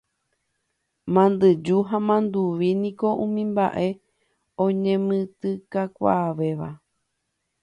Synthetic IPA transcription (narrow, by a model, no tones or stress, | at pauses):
mãnd̪ɨd͡ʒuɦãmãnd̪uʋinĩko̞ʔũmĩmba̰ʔe̞ | õɲẽmɨ̃t̪ɨkakʷa̰ːʋe̞ʋa̰